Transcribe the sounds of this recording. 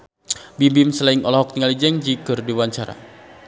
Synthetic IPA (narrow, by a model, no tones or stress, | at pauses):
bimbimsəlaiŋɔlɔɦɔk̚t̪iŋalid͡ʒɛŋd͡ʒiɡ̥ɔrdiwaɲt͡ʃaɾa̰